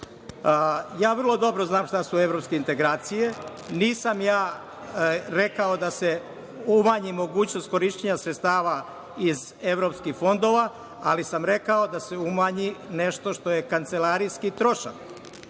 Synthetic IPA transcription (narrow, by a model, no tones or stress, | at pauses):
jaːʋr̩lˠo̞d̪o̞bɾo̞znaːmʃt̪asue̞ʋɾo̞pske̞int̪eɡɾaːt̪sije̞ | niːsamjaː | ɾe̞kao̞d̪ase̞ | umaːɲimo̞ɡuːt͡ɕnost̪̚ko̞ɾiʃt͡ɕeɲasɾet̪st̪aːʋa | iz | eʋɾo̞pskixfo̞nd̪o̞ːʋa | a̰lisamɾe̞kao̞d̪ase̞umaːɲine̞ʃt̪o̞ʃt̪o̞je̞kant̪se̞laɾijskit̪ɾo̞ʃa̰k